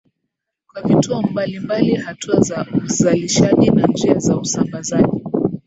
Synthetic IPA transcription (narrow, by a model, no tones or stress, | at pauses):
kwavituɔmbalimbalihatuazauzaliʃaʄinand͡ʒiazausambazaʄi